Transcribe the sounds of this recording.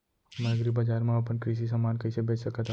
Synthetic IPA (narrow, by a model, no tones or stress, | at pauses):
maɡɾibəd͡ʒaɾmãapənkɾiʃ̬is̬əmaːnkəisebet͡ʃsəkat̪